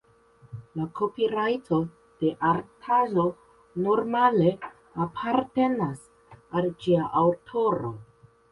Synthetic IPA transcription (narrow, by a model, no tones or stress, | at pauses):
lakʰo̞piɾajtʰo̞ | d̥e̞ʔaɾtʰaʒo̞ | no̞ɾmale̞ | apʰaɾte̞nas | ald͡ʒiaʔawtʰo̞ɾo̰